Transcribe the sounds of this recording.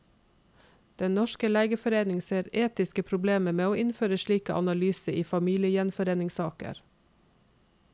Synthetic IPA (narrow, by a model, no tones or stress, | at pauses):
d̪̥ɛnnɔʃkəleːɡəfɔɾeːnɪŋseːɾeːt̪ɪskəpʰɾʊbleːməmeːoːʔɪnføːɾəʃɭiːkəʔɑ̰nɑlyːsəʔiːfɑmiːlɪəjɛnfɔɾeːnɪŋsɑːkə̰ɾ